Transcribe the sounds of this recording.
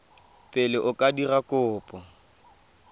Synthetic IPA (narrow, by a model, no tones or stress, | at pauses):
pʼɪlɪʔʊkʼadirakʼʊːpʼɔ